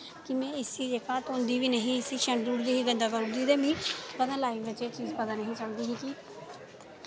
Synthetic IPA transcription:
kɪmɛ̃ːɪsiːd͡ʒeːkaːt̪ʊnd̪iːʋiːnəɦĩːɪsiːʃəɳɖuɽd̪iːɦiːɡənd̪aɡəʊɽd̪iːd̪eːbĩːpət̪ãːlaːiʋət͡ʃet͡ʃiːzpət̪aːnəɦĩːsəld̪iːɦikiː

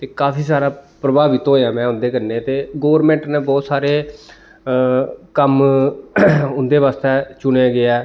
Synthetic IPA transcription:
t̪eːkaːpʰiːsaːɾaːpɾəbaːʋit̪õːjãːmɛ̃ːʊnd̪eːkəɾnẽːt̪eːɡoːʋɾmɛ̃ːɳʈneːbɔːt̪saːɾeː | kəm | ʊnd̪eːʋaːst̪ɛːt͡ʃʊɳeːɡɪɛː

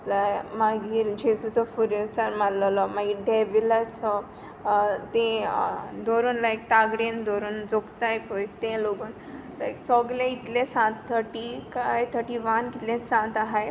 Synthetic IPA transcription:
lajmaɡiːɾd͡ʑesut͡sɔfuɾjɔsaɾmalalɔmaɡiːɖeʋilat͡sɔ | t̪ẽ | d̪oɾuːnlajk̚t̪aɡɽend̪oɾuːnd͡zokt̪ajpojt̪ẽloɡuːn | la̰jksɔɡlẽit̪lẽsãt̪t̪ʰːəʈikajt̪ʰəʈiʋankit̪lẽsãt̪aɦaj

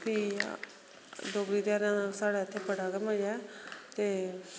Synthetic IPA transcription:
kiː | d̪oːɡɾiːd̪aːɾãːnãːsaːɽaːət̪ʰːeːpəɽaːɡəɾmaːjɛːt̪eː

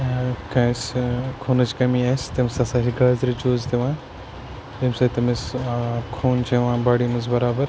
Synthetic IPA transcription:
kɐ̃skʰoːnɐt͡ʃkɐmiaːst̪ɐmsasaːɾiɡaːzɾit͡ʃoːzt̪eʋãː | t̪ɐmsaːt̪ɐmeskʰuːnt͡ʃeʋãːbaːɽimɐzbɐɾaːbɐɾ

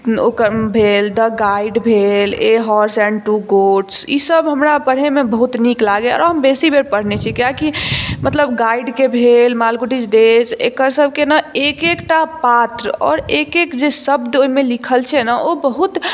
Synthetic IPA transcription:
okəɾbʱeld̪əɡaiɖbʱeleɦɔɾsɛ̃ɳɖʈuɡoʈsḭsəbɦəmɾapəɽɦemebəɦut̪niklaɡeɔ̰ːɾɦəmbesibʱeɾpəɽ̤net͡ʃʰikjakimət̪ləbɡaiɖkebʱelmalɡuʈid͡ʒd̪ed͡ʒḛkəɾsəb̚ʱkenəekekʈapat̪ɾəɔ̰ːɾekekd͡ʒesəbd̪oimelikʰəlt͡ʃʰɛnəʔobəɦut̪

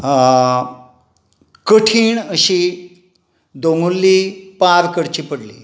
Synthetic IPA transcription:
kəʈʰiːɳəɕiː | d̪oŋɡulːiːpaɾkəɽt͡ɕiːpəɽlḭː

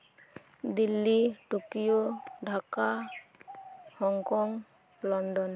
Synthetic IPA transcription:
d̪ilːiʈukijoɖʱaka | hɔŋkɔŋ | lɔnɖɔn

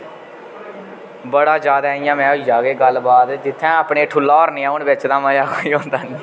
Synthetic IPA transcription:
bəɽaːd͡ʒaːd̪aːijãːmɛ̃ːʊid͡ʒaːɡeːɡəlbaːd̪d͡ʒɪt̪ʰːɛ̃ːaːpɳeːʈʰʊlaːɾnẽːãːʊnbɪt͡ʃd̪aːməjaːkʰoːiːõːnd̪aːnĩː

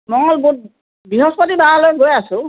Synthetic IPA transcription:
mɔŋɔlbut̚ | biɦɔspɔtibaalojɡojasʊ̃

